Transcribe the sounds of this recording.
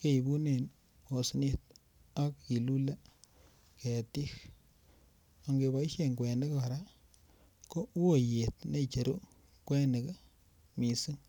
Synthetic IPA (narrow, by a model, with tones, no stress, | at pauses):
ke˦i˨bu˦ne˨n | o˨sni˦t̪̚ | a˦kːi˨lu˦la˦ | ke˨ti˦x | o˨ŋɡe˨βa˨i˦ʃe˦ŋkwɛ˨nde˦ka˨ɾa˦ | ko˦o˦˨je˨tne˦t͡ʃe˨ɾo˦ | kwɛ˦ne˨k | mi˨si˦ŋ